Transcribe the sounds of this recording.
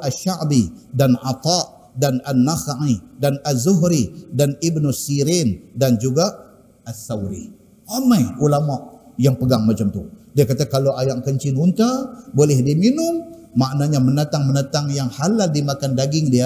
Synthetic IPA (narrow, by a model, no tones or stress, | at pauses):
aʃaʔbidanʕa̰t̪ɑʔ | dananːasaʕidanazuɦɾidanibnusiɾindand͡ʒuɡa | asawɾḭ | ʔamajulamaʔ | jaŋpəɡaŋmat͡ʃamt̪udiakat̪akalawajaʔkəɲt͡ʃɪnunt̪abolɛhdiminʊm | maʔnaɲamənat̪aŋmənat̪aŋjaŋhalaldimakandaɡɪŋdia